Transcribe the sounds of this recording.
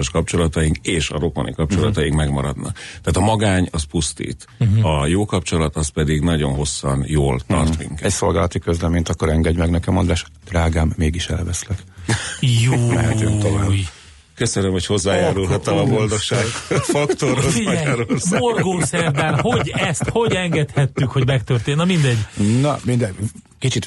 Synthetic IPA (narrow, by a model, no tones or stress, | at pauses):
ʃkɒpt͡ʃo̞lɒt̪ɒiŋkeːʃɒ̰ɾokmɔ̰nʔḭkɒp̚t͡ʃo̞lɒt̪ɒjiŋkmɛɡmɒɾɒd̪nɒ̰kt̪ɛaːt̪ɒmɒɡaːɲɒspust̪ḭːt̪ | ɒjoːkɒpt͡ʃo̞lɒt̪ɒspɛd̪iɡnɒɟo̞̰nɦo̞sːɒnjoːlt̪ɒ̰rt̪mḭŋkɛɛcso̞lɡaːlɒt̪ikøzlɛment̪ɒkːoɾɛŋɡɛɟmɛɡnɛkɛmond̪ɾaːʃ | d̪̥raːɡaːmːeːɡiʃɛ̰lvɛslɛk | juːɛɛtyt̪ovːj | køsønømho̞cho̞zːaːjaːɾulɦɒtt̪ːɛlɒbo̞ld̪o̞kʃaːɡot̪fɒkt̪oroziaːɛjaːɾulmo̞rɡoːsɛrd̪ɛlɦo̞ɟɛst̪ho̞ɟɛŋɡɛt̪hɛt̪ːykhodɟmɛkt̪ørt̪eːnːɒmind̪ɛɟːnɒmind̪ɛɟ | kit͡ʃit̪